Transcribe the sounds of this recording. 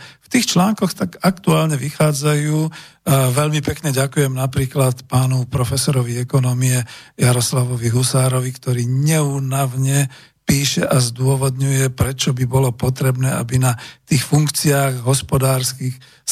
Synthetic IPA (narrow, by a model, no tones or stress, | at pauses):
ft̪iːxt͡ʃlaːŋkɔxt̪aɡakt̪uaːlɲɛʋixaːd͡zajuːʋɛʎmipɛkɲɛɟakujɛmnapɾiːklat̪paːnupɾɔfɛsɔɾɔʋiɛkɔnɔmiɛjaɾɔslaʋɔʋiɦusaːɾɔʋikt̪ɔɾiːɲɛuːnaʊɲɛ | piːʃɛʔazd̪ʊɔʋɔd̪ɲujɛpɾɛt͡ʃɔbibɔlɔpɔt̪ɾɛbnɛːa̰binat̪iːxfuŋkt͡siaːɣɦɔspɔd̪aːɾskix